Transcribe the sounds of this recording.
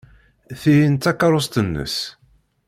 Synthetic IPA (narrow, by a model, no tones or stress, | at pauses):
θijint̪akːɑɾˤʊst̪ənːə̰s